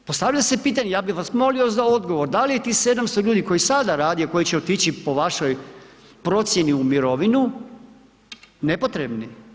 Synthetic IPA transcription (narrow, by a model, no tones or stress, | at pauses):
post̪aʋʎase̞piːt̪̬aɲejaːbixʋasmo̞liozao̞d̪ɡo̞ʋo̞ɾd̪alijet̪iːse̞d̪amst̪oʎuːd̪iko̞jisad̪aɾaːd̪ijoko̞jit͡ɕeot̪it͡ɕipo̞ʋaʃo̞j | pɾo̞t̪sje̞niumiɾo̞ʋinu | nepo̞t̪ɾe̞bni